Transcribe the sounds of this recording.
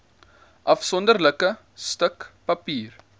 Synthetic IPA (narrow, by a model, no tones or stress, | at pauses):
ʔɐfsɔndərləkə | stəkpɐpiːr